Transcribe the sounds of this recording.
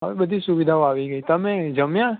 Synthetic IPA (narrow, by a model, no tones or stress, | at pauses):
ɦə̰ʋebəd̪ʱisuʋid̪ʱaoaʋiɡəit̪əmed͡ʒəmjã